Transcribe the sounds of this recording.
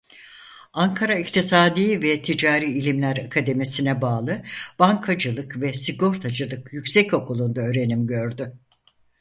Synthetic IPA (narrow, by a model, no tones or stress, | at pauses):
aŋkʰaɾaict̪ʰisaːd̪iːvɛt̪ʰid͡ʒaːɾiːlʲimlʲæɾakʰad̪e̞misinɛbaːlˠɯb̥aŋkʰad͡ʒɯlˠɯkvɛsiɡo̞ɾt̪ʰad͡ʒɯlˠɯkjycʲsɛco̞kʰulˠund̪aøːɾe̞nimɟø̞ɾd̪y